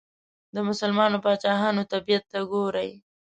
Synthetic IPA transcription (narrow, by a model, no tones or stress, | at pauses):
d̪əmʊsəlmɑnopɑt͡ʃɑɦɑnot̪abijat̪ːaɡoɾaj